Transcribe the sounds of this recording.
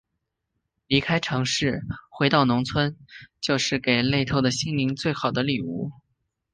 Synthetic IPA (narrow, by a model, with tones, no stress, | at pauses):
li˧˥kʰa˥ɪʈ͡ʂʰɤ˧˥ŋʂɻ̩˥˩xwe˧˥ɪt̪ɑ˥˩ʊnʊ˧˥ŋt͡sʰwə˥nt͡ɕjo˥˧ʊʂɻ̩˥˩ke˨˩ɪle˥˧ɪt̪ʰo˥˩ʊd̪ə˩ɕi˥ŋli˧˥ŋt͡swe˥˩ɪxɑ˨˩ʊd̪ə˦li˨˩u˥˩